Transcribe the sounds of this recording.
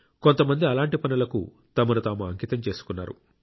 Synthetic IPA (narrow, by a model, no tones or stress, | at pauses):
ko̞nt̪ɐmɐnd̪iɐlaːɳʈipɐnulɐkṵ | t̪ɐmɐɾut̪aːmuɐŋkit̪ɐmt͡ʃe̞ːsu̥kunːa̰ːɾṵ